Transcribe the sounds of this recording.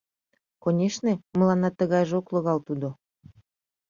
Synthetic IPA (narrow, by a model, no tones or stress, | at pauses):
konʲeʃneməlɑnɑt̪əɣɑjʒokloɣɑlt̪ud̪o